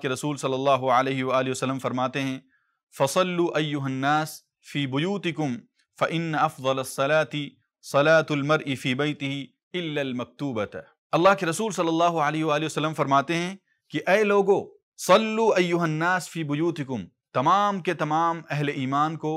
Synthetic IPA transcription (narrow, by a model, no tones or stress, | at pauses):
keɾɐsuːlsɐlːɐlːɑːɦʊʕaleːɦiʋaaːliiʋɐsɐlːəmfɐɾmaːt̪eɦɛ̃ | fɐsˤɐlːuːʔɐjːʊɦɐnːaːs | fiːbʊjuːt̪ɪkʊm | fɐʔɪnːɐɐfd̪ˤɐlɐsˤːɐlaːt̪ɪ | sˤɐlaːt̪ɐlmɐɾʔɪfiːbɐjt̪ɪɦɪ | ɪlːaːlmɐk̚t̪uːbɐt̪ | ɐlˤːaːɦkeɾɐsuːlsɐlːɐlːaːɦʊaleːɦɪʋaːliʋɐsɐlːəmfɐɾmaːt̪eɦɛ̃ | kiʔɛːloːɡo | sɐlːuːʔɐjːʊɦɐnːaːsfiːbʊjuːt̪ɪkʊm | t̪ɐmaːmket̪ɐmaːmɛɦleʔiːmaːnko